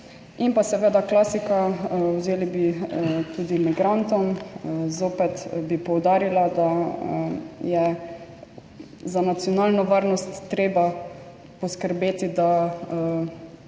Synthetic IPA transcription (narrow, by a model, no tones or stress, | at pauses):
inpasɛʋeːd̪aklasikawzeːlibit̪uːd̪imiɡɾant̪ɔmzoːpɛt̪bipɔwd̪aːɾilad̪a | jɛ | zanat̪sijɔnaːlnɔʋaɾnɔst̪ːɾeːba | pɔskəɾbeːt̪id̪a